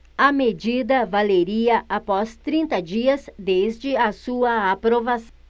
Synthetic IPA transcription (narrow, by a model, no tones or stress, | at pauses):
ɐmed͡ʒid̪ɐvaleɾiɐʔapɔst̪ɾĩnt̪ɐd͡ʒiɐzd̪ezd͡ʒɪɐsuɐːpɾovas